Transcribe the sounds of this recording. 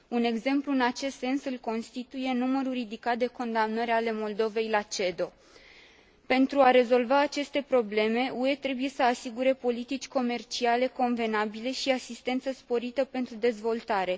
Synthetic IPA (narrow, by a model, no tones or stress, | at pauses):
une̞ɡze̞mpluɨnat͡ʃe̞st̪se̞nsɨlko̞nst̪it̪uje̞numəɾuɾid̪ikat̪̚d̪e̞ko̞nd̪amnəɾale̞mo̞ld̪o̞ve̞jlat͡ʃe̞d̪o̞ | pe̞nt̪ɾuaɾe̞zo̞lvaːt͡ʃe̞st̪e̞pɾo̞ble̞me̞ue̞t̪ɾe̞buje̞səasiɡuɾe̞po̞lit̪it͡ʃʲko̞me̞rt͡ʃiale̞ko̞nve̞nabile̞ʃiasist̪e̞nt̪səspo̞ɾit̪əpe̞nt̪ɾud̪e̞zvo̞lt̪aɾe̞